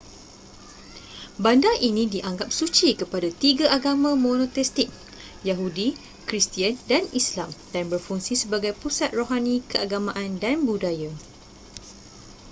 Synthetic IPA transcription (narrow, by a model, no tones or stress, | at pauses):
bandaʔinĩdiʔaŋɡap̚sut͡ʃikəpadat̪iɡaʔaɡamãmõnõt̪ɛst̪ik̚ | jaɦudi | kɾist̪iandanislamd̥anbərfuŋsisəbaɡajpusat̪̚roɦanĩkəʔaɡamãʔandanbudaja